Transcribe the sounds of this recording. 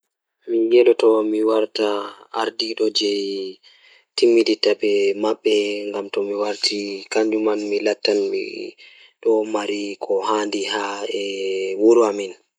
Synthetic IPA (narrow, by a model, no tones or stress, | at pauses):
mijɛlɔtɔmiwaɾtaːɾdiɗɔd͡ʒɛj | timːiditaɓɛmaɓːɛŋɡamtɔmiwaɾtʰikaɲd͡ʒumanmilatːanmḭ | ɗɔmaɾikʰɔhandihaɛwuɾuamin